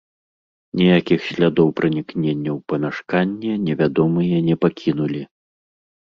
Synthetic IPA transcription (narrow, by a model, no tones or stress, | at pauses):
nʲɛjakʲixɕʲlʲad̪ɔwpɾɨnʲiknʲenʲːɐwpɐmʲaʂkanʲːɛnʲɛvʲad̪ɔmɨjɐnʲɛpakʲʰin̪ulʲi